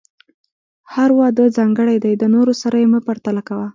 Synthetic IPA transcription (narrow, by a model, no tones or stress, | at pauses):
haɾwɑd̪əzɑŋɡəɽajd̪ajd̪ənoɾosaɾajeməpaɾt̪alakawa